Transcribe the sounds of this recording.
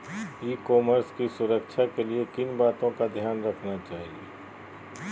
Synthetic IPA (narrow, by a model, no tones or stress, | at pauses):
iːkɔːməɾskisʊɾəkʃʰakeliekɪnbaːt̪õkad̪ʱjaːnɾəkʰnat͡ʃaːɦieː